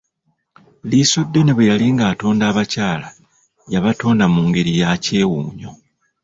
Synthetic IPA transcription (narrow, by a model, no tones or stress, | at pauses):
liso̞dːe̞neβejaliŋɡaːto̞ːndaːβacaːla | jaβato̞ːndamuːŋɡe̞ɾijace̞ːwuːɲo̞